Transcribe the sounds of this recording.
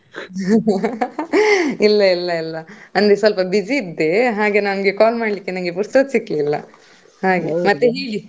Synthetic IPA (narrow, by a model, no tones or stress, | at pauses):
ilːɐilːɐilːɐɐnd̪esɐlpɐbid͡ʒiːd̪ːe̞ɦaːɡe̞nɐnɡe̞kaːlmaːɽlikːenɐŋɡe̞p̬uɾst̪ɐt̪sikliːlːɐ̰ | haːɡemɐt̪ːeɦeːɡi